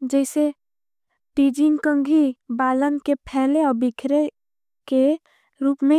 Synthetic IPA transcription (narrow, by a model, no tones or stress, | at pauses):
d͡ʒɛːse | ʈiːd͡ʒɪ̃ŋkə̃ŋɡʱibaːlənkepʰɛːleɔːɾbɪkʰɾe | ke | ɾuːpmẽ